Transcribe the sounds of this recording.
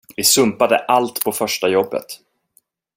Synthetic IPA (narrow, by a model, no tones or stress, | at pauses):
vɪsɵmpad̪ə̰ʔalt̪pʰɔfœʂʈajɔbːə̰t̪